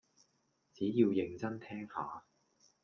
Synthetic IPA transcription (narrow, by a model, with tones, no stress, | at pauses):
t͡siː˨˥jiː˧wjɪ˨˧ŋt͡sɐ˥nt̪ʰɛː˥ŋha̰ː˨˧